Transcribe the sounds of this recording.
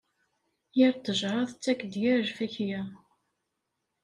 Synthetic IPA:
jiɾt̪ːəʒɾˤɑðət͡sːækːd̪jæɾʒfæçjæ

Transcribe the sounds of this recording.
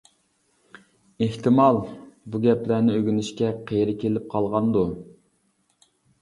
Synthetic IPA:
eht̪ʰɪmɑlˠbuɡʲɛplænɪøɡʲynɪʃkʲɛqʰejɾɪkʲelɪp̚qʰɑlˠʁɑnd̪u

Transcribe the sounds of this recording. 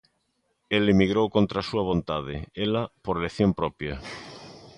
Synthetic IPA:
elemiɣɾowkont̪ɾasuaβ̞õnt̪að̞eelapoɾeleθjompɾopja

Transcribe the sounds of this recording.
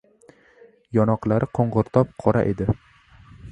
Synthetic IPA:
jɒnɒqlˠaɾɪqʰoɴʁɨɾt̪ʰɒp̚qʰɒɾa̰ʔe̞d̪ɪ

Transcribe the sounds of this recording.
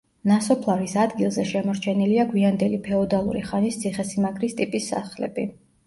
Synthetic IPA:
nasɔpʰlˠaɾisad̪ɡilˠzɛʃɛmɔɾt͡ʃʰɛniliaɡwiand̪ɛlipʰɛɔd̪alˠṵɾiχanist̪sʰiχɛsimakʰɾist̪ʼipʼisːa̰χlɛ̰bi

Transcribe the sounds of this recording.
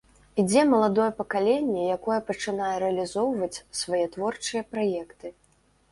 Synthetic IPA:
id͡zʲɛmɐlˠad̪ɔjɛpɐkalʲɛnʲːɛjakɔjɛpɐt͡ʂɨnajɛɾɛɐlʲizɔwvɐt͡sʲsvajɛt̪vɔrt͡ʂɨjɐpɾajɛkt̪ɨ

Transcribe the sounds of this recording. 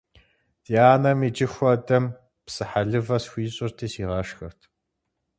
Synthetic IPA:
d̥iaːnɐmid͡ʒɪxʷɐdɐm | psɨħaɮɨvɐsxʷiːɕʼɪrtʰiːsiːʁɐʂxɐrtʰ

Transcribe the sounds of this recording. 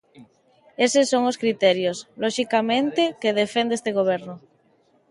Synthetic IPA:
esesoŋoskɾit̪ɛɾjoslɔʃikamẽnt̪ekeðefẽnd̪eest̪eɣoβ̞eɾno

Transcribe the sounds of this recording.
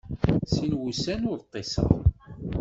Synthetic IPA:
sinwusænʊɾt̪ˤːesɑ̰ʁ

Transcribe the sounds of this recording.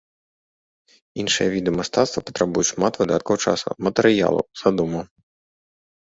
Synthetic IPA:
inʂɨjɛvʲid̪ɨmɐst̪at̪st̪vɐpɔ̥t̪ɾabujuʂmat̪vɨd̪at̪̚kɐwt͡ʂa̰sṵmɐt̪ɛɾɨja̰lˠṵz̥ad̪umɐ

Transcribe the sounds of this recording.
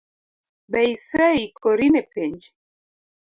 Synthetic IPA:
baisaikɔɾinɛpɛɲd͡ʒɛ

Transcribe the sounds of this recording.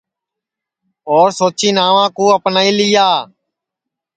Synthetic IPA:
oːɾsoːt͡ʃiːnaːʋãːkuːəpnaːiːlɪjaː

